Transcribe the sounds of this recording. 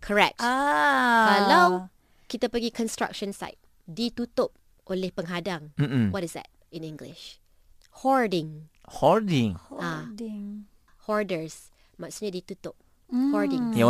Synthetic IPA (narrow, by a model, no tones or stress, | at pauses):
kʰəɹɛk̚ta | kalaw | kit̪apəɡikʰɔ̃nstɹa̰k̚ʃə̃nsa̰jt̚ | dit̪ut̪ʊp̚ | ʔonlɪhpəŋɦadãŋm̩wɔtɪsdɛ̰t̚ĩnĩŋɡlɪ̰ʃ | hɔɹdɪ̃ŋhɔɹdĩŋaŋ | hɔɹdəɹs | masɲədit̪ut̪ʊp̚ | hɔɹdɪ̃ŋ